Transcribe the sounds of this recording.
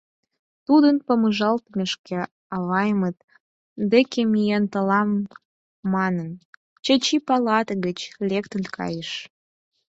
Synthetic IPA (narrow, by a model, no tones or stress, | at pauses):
t̪ud̪ənpəməʒɑlt̪meʃke | ɑβɑjmət̪̚ | d̪ekemijent̪əlɑmː | ɑnən | t͡ɕə̆t͡ɕipɑlɑt̪əɣət͡ɕlʲekt̪ənkʰɑ̰jəʃ